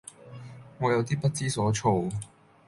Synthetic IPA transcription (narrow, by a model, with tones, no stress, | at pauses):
ŋɔː˨˧jɐ˨˧wt̪iː˥pɐ˥t̚t͡siː˥sɔː˨˥t͡ʃʰo˧w